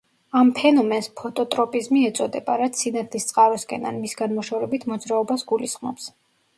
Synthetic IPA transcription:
ampʰɛnɔmɛnspʰɔt̪ʼɔt̪ʼɾɔpʼizmiɛt̪sʼɔd̪ɛbaɾat̪sʰinat̪ʰlist̪sʼqʼaɾɛskʼɛnanmisɡanmɔʃavɾɛbit̪ʰmɔd̪zɾaɔbasɡulisχmɔ̰ps

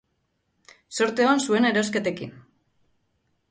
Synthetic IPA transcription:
so̞ɾt̪eonsue̞neɾo̞ske̞t̪e̞kḭn

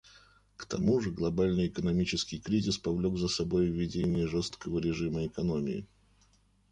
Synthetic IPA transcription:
kt̪ɐ̰muʐɨɡlˠɐbalʲnɨjɪkənɐmʲit͡ɕɪskʲɪjkɾʲizʲɪspɐvlʲo̞ɡzəsɐbo̞jvʲːɪdʲenʲɪjəʐo̞st̪kəvəɾʲɪʐɨməɪkɐno̞mʲɪɪ̰

